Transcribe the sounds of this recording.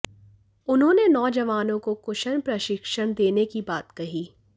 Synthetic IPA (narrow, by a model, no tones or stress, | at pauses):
ʊnɦõːnenɔːd͡ʒɐʋaːnõkokʊʃənpɾɐʃɪkʃəɽ̃d̪eːnekibaːt̪kɐɦiː